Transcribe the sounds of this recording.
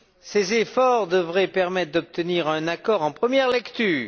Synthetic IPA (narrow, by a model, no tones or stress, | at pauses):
sezefɔʁd̪əvʁɛpɛʁmɛt̪χd̪ɔp̚t̪əniʁɛ̃nakɔʁɑ̃pχəmjɛʁlɛkt̪yːʁ